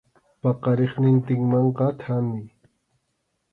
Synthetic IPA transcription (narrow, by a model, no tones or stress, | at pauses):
pɑqɑɾɪχnɪnt̪ɪŋmɑɴqɑt̪ʰamɪ